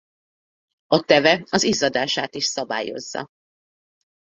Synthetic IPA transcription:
ɒt̪ɛvɛɒzizɒd̪aːʃaːt̪iʃsɒba̰ːjo̞̰zːɒ̰

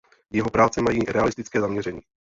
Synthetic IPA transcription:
jɛɦo̞pɾaːt͡sɛmajiːɾɛalɪst̪ɪt͡skɛːzamɲɛɾɛɲiː

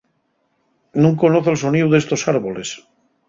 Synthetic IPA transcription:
nũŋkonoθoelsoniuðest̪o̞saɾβoles

